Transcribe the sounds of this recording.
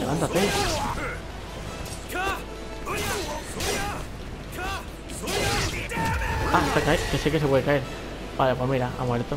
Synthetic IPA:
leβa̰nt̪at̪e | ast̪akaekesekes̬epweðekaeɾ | balapwoɦmiɾaa̰mwaɾet̪o

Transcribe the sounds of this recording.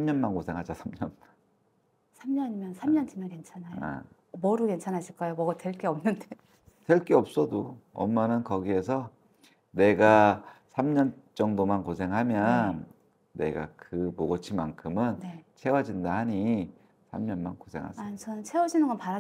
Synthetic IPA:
amɲʌnmankosʰe̞ŋɦad͡ʑasʰamɲʌnn | sʰamɲʌɲimjʌnsʰamɲʌntɯmjʌnkent͡ɕʰanaa̰ | mʌɾuke̞nt͡ɕʰanɦaɕʰiɭk͈ajomʌɡatwe̞ɭk͈eʌmnɯnde | twe̞ɭk͈eʌp̚s͈ʌdoʌ̰mːanɯnkʌɡie̞sʰʌ | ne̞ɡasʰamɲʌn | t͡ɕ͈ʌŋdomankosʰe̞ŋɦamjʌnː | e̞̰ɡa̰kɯmoɡʌt͡ɕʰimankʰɯmɯnnet͡ɕʰe̞wʌd͡ʑindahaɲi | sʰa̰mɲʌnmankosʰe̞̰ŋɦa̰at͡ɕʌnɯnt͡ɕʰewʌd͡ʑinɯnɡʌnpaɾa

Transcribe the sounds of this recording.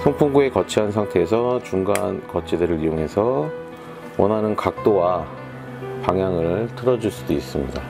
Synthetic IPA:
sʰoŋpʰuŋɡue̞kʌt͡ɕʰiɦansʰaŋtʰe̞ːsʰʌt͡ɕuŋɡaɦa̰nkʌt͡ɕʰidɯɾɯɾijoŋɦe̞sʰʌ | wʌnɦanɯnkak̚t͈owa | paŋɦjaŋɯɭtʰɯɾʌd͡ʑuɭs͈udois͈ɯmɲida

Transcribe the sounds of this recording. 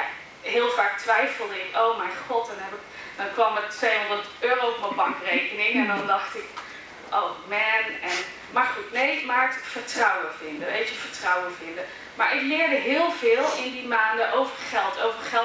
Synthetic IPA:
ja | ɦɪːlˠvaːk̚tʋɛjfəl̩ˠdəɪkowmɛjχɔtdɔnɦɛbɪk | dɔnkʋɑmətʋejɦɔndətøːrowfɔbɑkrejkənɪŋɛndɔndɑχtɪk | ʔowmɛnɛn | mɑχɪknejmaːɹtkfəɹtrɑwəvɪndəʋejtəv̥əɹtrɑwəvɪndə | ma̰ːɹʔɪklɪːɹdəɦɪːlˠvɪːlˠɪndimaːndəʔowvəɹχɛlˠtʰowvəɹχɛ

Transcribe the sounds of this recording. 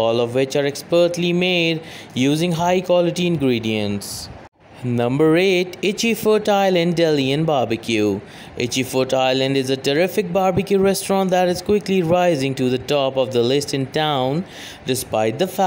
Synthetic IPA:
ɔːlɔvwɪt͡ʃaɾɛkspəːʈlimeːɖjuːzɪ̃ŋɦaɪkwɔlɪʈiɪ̃nɡɾiːɖiə̃nʈs | nʌ̃mbəɾeːʈɪt͡ʃifətaɪlə̃nɖːɛliɨ̃nbaːɾbɪkʰju | ʔɪ̰t͡ʃifətaɪlə̃nɖɪzəʈəɾɪfɪk̚baːɾbɪkjuɾɛsʈɹɔ̃nʈ̚d̪æɾɪz̥kwɪkliɹaɪzɪ̃ŋʈuðəʈɔːpɔvd̪əlɪsʈɪ̃nʈãʊ̃n | ɖɪspaɪʈ̚d̪əf

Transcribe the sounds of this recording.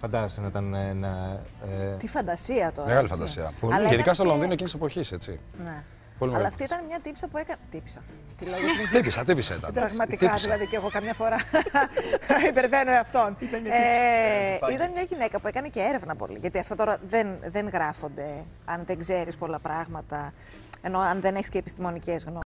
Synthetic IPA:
fɐnd̪ɐzest̪inɐit̪ɐnnɐet̪ifɐnd̪ɐsiɐt̪o̞ɾɐmeɣɐlifɐd̪ɐssḭɐ̰ɐleiðikɐst̪olonðinoecinisepo̞çiset͡sḭ | ne | polimɐlɐːft̪iit̪ɐnmɲɐt̪ipsɐpue̞kɐnt̪ipi̥sɐ | t̪iloʝit̪ipisɐt̪ipisɐḭt̪ɐ̰ɾɾɐɣmɐt̪it̪iɐðilɐðiceɣo̞kɐmɲɐfo̞ɾɐ | ibeɾve̞nueɐft̪o̞ne | it̪ɐnmɲɐʝine̞kɐpue̞kɐneceeɾe̞vnɐpo̰lḭʝɐt̪iɐft̪ot̪o̞ɾɐðe̞nðe̞nɣɾɐfo̞nd̪e̞ɐnðeɡze̞ɾispo̞lɐpɾɐɣmɐt̪ɐ | eno̞ɐnðe̞neçisceːpist̪imo̞nice̞zɣno

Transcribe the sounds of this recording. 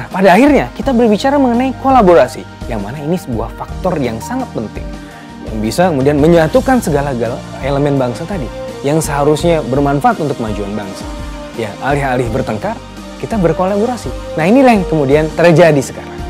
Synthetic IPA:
nahpadaːhirɲakit̪abərbit͡ʃaɾaməŋənaikolaboɾasḭ | jaŋmanainisəbua̰hfak̚t̪ɔrjaŋsaŋat̪̚pənt̪ɪ̰ŋ | ja̰ŋbisakəmudianməɲat̪ukansəɡalaɡaleləmɛnbaŋsat̪adijaŋsəɦaɾusɲabərmanfaʔat̪unt̪ʊk̚mad͡ʒuanbaŋsḁ | jaʔalɪɦalɪhbərt̪əŋkar | kit̪abərkolaboɾasinahinilahkəmudiant̪ərd͡ʒadisə̥ka̰ɾaŋ

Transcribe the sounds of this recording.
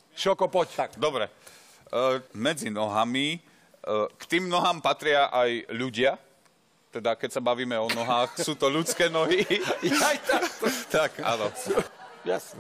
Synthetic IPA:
ʃɔkɔpɔt̪d̪ɔbɾɛ | mɛd͡zinɔɦami | kt̪iːmnɔɦaːmpat̪ɾɪaʔajʎuɟɪa | t̪ɛd̪akɛcsabaʋiːmɛɔnɔɦaːxsuːt̪ɔʎut͡skɛːnɔɦi | jt̪at̪aka̰nɔ | ja̰snɛ

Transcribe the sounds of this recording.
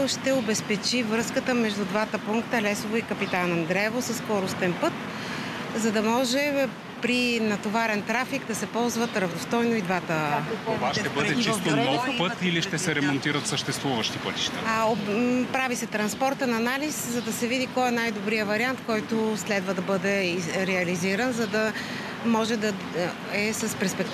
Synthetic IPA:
ʃt̪ɛobɛspɛt͡ʃivɾɤskət̪əmɛʒd̪ud̪vat̪əpuŋkt̪əlɛsovoikɐpit̪anɛnd̪ɾɛvosɐsːkɔɾost̪ɛnpɤt̪ | zɐd̪ɐmɔʒɛ | pɾinɐt̪ovaɾɛnt̪ɾafiɡd̪ɐsɛpɔlˠzvət̪ɾɐvnost̪ɔjnoid̪vat̪ə | ʃt̪ɛbəd̪ɛt͡ʃist̪omolˠkpɤt̪iliʃt̪ɛsɛɾɛmont̪iɾət̪səʃt̪ɛst̪vuvəʃt̪ipɤt̪i̥ʃt̪ə | pɾavisɛt̪ɾɐnspɔɾt̪ənɐnaliszɐd̪ɐsɛvid̪ikɔjɛnajd̪obɾijəvɐɾiant̪kɔjt̪ʊslɛd̪vəd̪ɐbɤd̪ɛɾɛɐliziɾənzɐd̪ɐ | mɔʒɛd̪ɐ | ɛsɐspɛɾspɛk̚t̪

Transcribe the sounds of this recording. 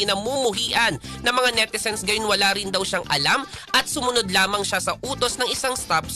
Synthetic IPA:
ɪnɐmumʊɦiːʔɐnːɐmɐŋanɛt̪ɪsɛnsɡɐjonwɐlaɾɪnd̪ɐwʃaŋʔɐ̰lamʔɐt̪̚sʊmʊnod̪laːmɐŋʃasɐʔuːt̪o̞snɐŋʔɪsaŋst̪ap

